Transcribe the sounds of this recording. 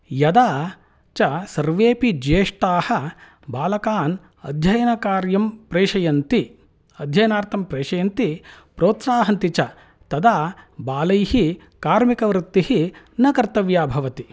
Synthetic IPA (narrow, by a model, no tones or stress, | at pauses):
jɐd̪aː | t͡ʃɐsɐɾʋeːpid͡ʒeːʂʈaːhɐ̆ | baːlɐkaːn | ɐ̰d̪ʱjɐjɐnɐkaːɾjɐmpɾeːʃɐjɐnt̪i | ɐd̪ʱjɐjɐnaːɾt̪ʰɐmpɾeːʃɐjɐnt̪i | pɾoːt̪saːɦɐnt̪it͡ʃɐ | t̪ɐd̪aːbaːlɐjhi | kaːɾmikɐʋɾɪt̪ːihi | nɐkɐɾt̪ɐʋjaːbʱɐʋɐt̪i